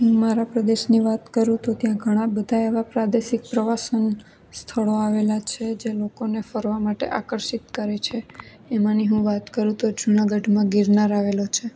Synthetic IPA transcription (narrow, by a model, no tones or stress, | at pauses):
ɦũmaɾapɾəd̪eʃniʋat̪kəɾũt̪ot̪jãɡʱəɽ̃ãbəd̪ʱaeʋapɾad̪eʃik̚pɾəʋasən | st̪ʰəɭoaʋelat͡ʃʰed͡ʒelokonefəɾʋamaʈḛʔakəɾʃit̪kəɾet͡ʃʰe | emãniɦũʋat̪kəɾũt̪od͡ʒunaɡəɖmãɡiɾnaɾaʋelot͡ʃʰe